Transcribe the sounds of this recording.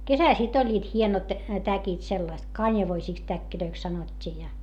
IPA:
kesæl sit olʲːiːt hienot tækit selːɑst kɑnʲjɑʋoisiˑks tækːiløiks sɑnotʲːiː jɑ

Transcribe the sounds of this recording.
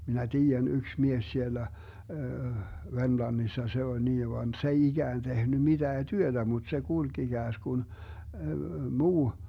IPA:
minæ tiːjæn yks mies sielæ ʋermlɑnːisːɑ se ol niː ʋɑn s ei iɡ̊æːn tehny mid̥æː tyød̥æ mut se kulɡ̊ iɡ̊æːsɡ̊un muː

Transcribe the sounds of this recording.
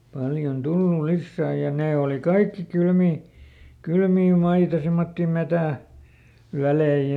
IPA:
pɑljon tulːul̆ lisːæː jɑ neː oˑli kɑikːi kylmiː kylmiː mɑitɑ simːotːi metæˑ ʋælei

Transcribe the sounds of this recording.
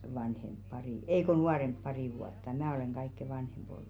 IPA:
ʋɑnhemp pɑriˑ ei ko nuɑremp pɑriˑ ʋuɑtːɑ mæː oleˑŋ ɡ̊ɑikːe ʋɑnhemb̥ olːu

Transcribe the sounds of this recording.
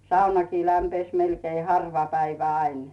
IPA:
sɑunɑkiː læmpes melkei hɑrʋɑ pæiʋæ ɑin

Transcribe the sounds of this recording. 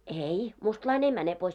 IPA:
ei mustlɑin ei mæne pois

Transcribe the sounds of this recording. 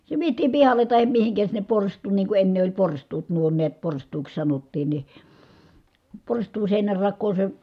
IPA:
se ʋietiːm pihɑle tɑhem mihiŋkæ sinːep porstˑuːn niː ku enːe olʲ porstˑuːt nuo niæt porstˑuːks sɑnotːiːn ni porstˑuːn̞ seˑinærːɑkˑoː se

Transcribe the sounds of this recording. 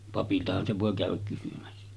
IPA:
pɑpiltɑhɑn se ʋoˑe kæˑøʋæk kysymæsːæ

